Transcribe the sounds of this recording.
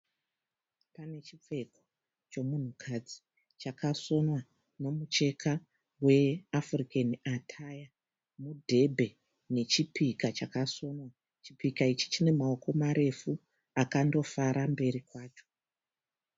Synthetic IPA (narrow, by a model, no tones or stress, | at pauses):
pane̞t͡ʃie̞ko̥ | t͡ʃo̞mun̤ukʰad͡zi | t͡ʃakʰaso̞nwa | no̞mut͡ʃe̞kʰa | we̞afrikaniatʰaja | mudʱe̞bʱe̞ | ne̞t͡ʃipikat͡ʃakaso̞nwa | t͡ʃipikait͡ʃi̥t͡ʃine̞mao̞ko̞maɾe̞fu | akando̞faɾambe̞ɾikwaːt͡ʃo̞